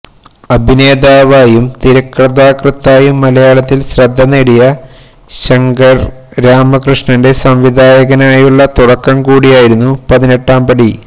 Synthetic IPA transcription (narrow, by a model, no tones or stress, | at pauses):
ɐbʱine̞ːd̪aːʋaːjumt̪iɾɐkrɐðaːkrɨt̪ːaːjumːɐlɐjaːɭɐt̪ːilsrɐd̪ʱːɐnːeɽijɐ | ɕɐŋɡɐr | ɾaːmɐkrɨʂɳɐnde̞sɐmʋid̪ʱaːjɐɣɐnaːjuɭːɐt̪uɽɐkːɐmkuːɽijaːjiɾunːupɐðine̞ʈːaːmbɐɽi